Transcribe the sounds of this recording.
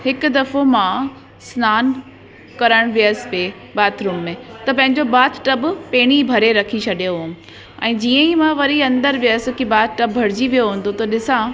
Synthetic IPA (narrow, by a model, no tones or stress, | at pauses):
hɪkʊ̆d̪ɐfomã | snaːn | kɐɾəɽ̃ʋijəspe | baːt̪ʰɾuːmːẽt̪ɐpɐ̃ɦɪ̃ɲd͡ʑobaːt̪ʰʈɐbpeːɽ̃ibʱɐɾeɾɐkʰit͡ɕʰɐɗjoɦʊm̆ | ɛ̃ːd͡ʑiːə̃imãʋɐɾiɐ̃nd̪əɾʋɪjəskibaːt̪ʰʈɐbbʱɐɾɪd͡ʑiʋijoɦũːnd̪ot̪ɐɗɪsã